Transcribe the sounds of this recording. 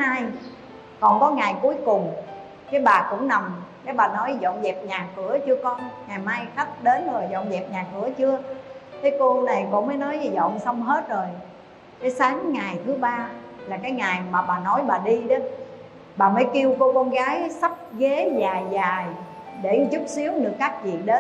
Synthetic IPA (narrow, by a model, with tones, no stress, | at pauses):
haː˧j | kɔ˨˩nkɔ˨˦ŋaː˨˩jku˨˦əjkʊ˨˩ŋ͡m | kaː˨˦jɓaː˨˩kʊ̰˧˥ŋ͡mna˨˩mɗe˨˦ɓaː˨˩nɔ˨˦jzɔ̰˧˨nzɛ˨˩p̚ɲaː˨˩xɨ˧˩˦ət͡ɕɨ˧əkɔ˧nŋaː˨˩jmaː˧jxa˦˥k̚ɗe˨˦nzo˨˩jzɔ̰˧˨nzɛ˨˩p̚ɲaː˨˩kɨ˧˩ət͡ɕɨ˧ət̪ʰe˨˦jko˧na˨˩jkɔ̰˧˥ŋ͡mməː˨˦jnɔ˨˦jzɔ̰˧˨nsa˧wŋ͡mɦe˦˥t̚zo˨˩j | kə˨˦jsaː˨˦ŋːa˨˩jt̪ʰɨ˨˦ɓaː˧ | laː˨˩kaː˨˦jŋaː˨˩jmaː˨˩ɓaː˨˩nɔ˨˦jɓaː˨˩ɗi˧ɗe˨˦n | ɓaː˨˩məː˨˦jki˧əwko˧kɔ˧nɣaː˨˦jsa˦˥p̚ɣe˨˦zaː˨˩jzaː˨˩j | ɗe˧˩zʊ˦˥k͡p̚si˨˦əwɗɨ˨˩əkːaː˦˥k̚vḭ˨˩ə˨ɗe˨˦